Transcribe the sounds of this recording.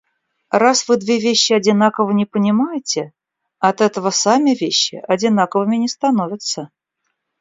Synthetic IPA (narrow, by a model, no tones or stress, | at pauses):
rasvɨd̪vʲevʲeɕːɪɐdʲɪnakəvənʲɪpənʲɪmajɪtʲɪ | ɐt̪ɛt̪əvəsamʲɪvʲeɕːɪʔɐdʲɪnakəvəmʲɪnʲɪst̪ɐnovʲɪt̪sə